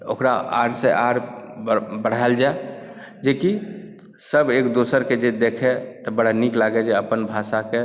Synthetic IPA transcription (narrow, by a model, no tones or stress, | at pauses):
o̰ːkɾaa̰ːɾseʔaːɾ | bəɽ̤ald͡ʒae | d͡ʒeki | səbeːkd̪oːsəɾked͡ʒed̪eːkʰet̪ɔbəɽ̤aniklaːɡed͡ʒeəpənbʱaːsake